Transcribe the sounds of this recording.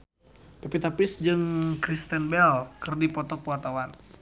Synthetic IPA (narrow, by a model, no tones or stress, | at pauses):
pɛpit̪apɪsd͡ʒɨŋkɾist̪ɛnbɛlkɨrdipɔt̪ɔkuart̪awan